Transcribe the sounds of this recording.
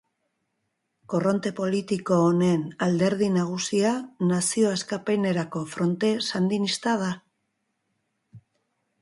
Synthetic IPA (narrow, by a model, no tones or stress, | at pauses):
ko̞ro̞nt̪e̞po̞lit̪iko̞ːne̞nald̪e̞ɾð̞inaɣ̞usianasio̞askape̞ne̞ɾako̞fɾo̞nt̪e̞sand̪inist̪að̞a